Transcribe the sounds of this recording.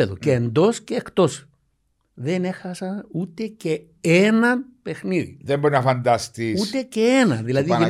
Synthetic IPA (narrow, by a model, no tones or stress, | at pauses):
eðoceːnd̪o̞sceːkt̪o̞s | ðe̞ne̞xɐsɐnut̪e̞ce̞ | enɐpe̞xniðḭðembo̞ɾinɐfɐnd̪ɐst̪iut̪e̞ce̞e̞nɐðilɐðii